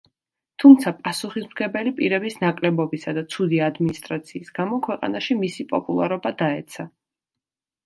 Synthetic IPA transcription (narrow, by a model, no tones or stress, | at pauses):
t̪ʰumt̪sʰapʼasuχismɡɛbɛlipʼiɾɛbisnakʼlɛbɔbisad̪at̪sʰud̪iad̪minist̪ʼɾat̪sʰiːsɡ̥amɔkʰwɛqʼa̰naʃimisipʼɔ̰pʼulˠa̰ɾɔbad̪aɛt̪sʰa